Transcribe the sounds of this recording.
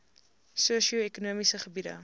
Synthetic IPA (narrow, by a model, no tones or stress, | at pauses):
suəʃioekunuəmisəχəbidə̰